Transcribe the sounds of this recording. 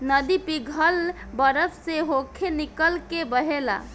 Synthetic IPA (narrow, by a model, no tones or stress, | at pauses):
nəd̪ipiɡʱəl | bəɾəpʰseɦokʰenikəlkebəɦela̰